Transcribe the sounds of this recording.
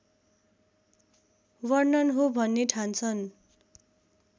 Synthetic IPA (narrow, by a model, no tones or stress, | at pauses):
wʌrnʌnɦobʱʌnːeʈʰant͡sʰʌn